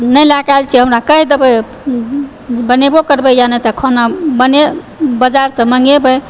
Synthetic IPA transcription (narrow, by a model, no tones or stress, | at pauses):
nəjlakalt͡ʃʰiɦəmɾakəɦid̪əbə | bənebokəɾbəjanət̪əkʰonabəne | bəd͡ʒaɾsə̃mə̃ŋɡebəj